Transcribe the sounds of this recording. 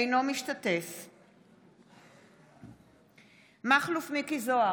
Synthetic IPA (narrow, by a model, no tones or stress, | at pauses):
jno̞miʃtate̞f | maχlufmikizoa